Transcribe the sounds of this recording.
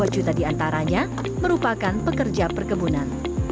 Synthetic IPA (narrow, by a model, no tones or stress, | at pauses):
ahd͡ʒut̪adiant̪aɾaɲa | məɾupakanpəkərd͡ʒapərkəbunan